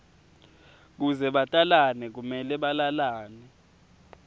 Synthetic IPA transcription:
k̬uzɛɓatʼalanɛk̬umɛlɛɓalalaːnɛ

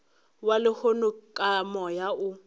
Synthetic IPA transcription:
walɪhonʊkʼamɔjaʊ

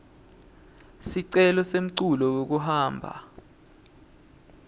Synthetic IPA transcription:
siǀɛlɔsem̩ǀulɔwok̬uhaːmbʱa̰

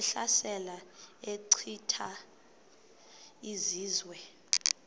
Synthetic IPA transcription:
ɬasɛlaeǀʰitʰa | iziːzwɛ

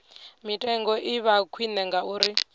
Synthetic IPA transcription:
mitʼɛŋɡɔʔiβakʰwinɛŋɡauːɾi

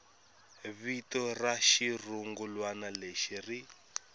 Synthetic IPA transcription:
βitɔraʃiruŋɡulwanaleʃiri

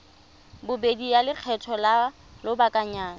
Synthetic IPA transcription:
bʊbedijalɪk͡xʰɛtʰɔla | lʊbakʼaɲaːn

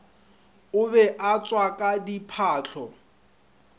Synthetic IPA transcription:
ʊbɛʔat͡sʼwakʼadipʰaːɬʰɔ

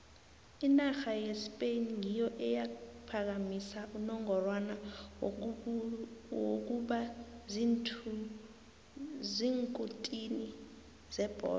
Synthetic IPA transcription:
inaxajespʼenŋijɔʔɛjapʰak̬amisaunɔŋɔrwana | wok̬uɓazintʰu | ziŋkʼutʼini | zɛb̥ʱɔ̰ː

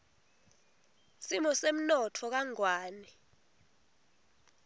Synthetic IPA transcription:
simɔsem̩nɔtʰɔk̬aŋwaːni

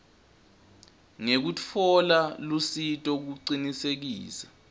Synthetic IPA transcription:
ŋek̬ut͡fʰɔlalusitʼɔk̬uǀinisek̬iːsḁ

